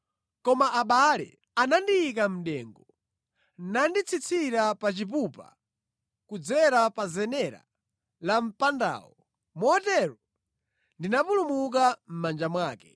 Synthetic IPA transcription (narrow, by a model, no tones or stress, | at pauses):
kɔmaːɓalɛ̰ | anandiːk̬am̩ɗɛŋɡɔ | nandit͡sʰit͡sʰiɾapat͡ʃip̬upa̰ | kud͡zɛɾapazɛnɛɾa̰ | lam̩panda̰ːwɔ | mɔtɛɾɔ | ndinapulumuk̬am̩mand͡ʒamwaːkɛ